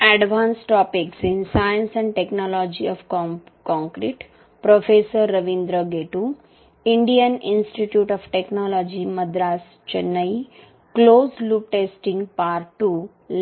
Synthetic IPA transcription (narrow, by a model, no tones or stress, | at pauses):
ɛɖʋãːnsʈɔːpiksɪ̃nsajə̃nsɛ̃ɳɖʈeknɔːlɔːd͡ʒiɔːʋ | kɔ̃ŋkɾiʈ | pɾofeːsəɾːɐʋĩnd̪ɾəɡeːʈu | ɪ̃ɳɖijənɪ̃nsʈiʈjuːʈɔʋʈeknɔːlɔːd͡ʒimɐd̪ɾaːs | t͡ʃɐnːəi | kloːzlup̚ʈeːsʈĩŋɡpaːɾʈːu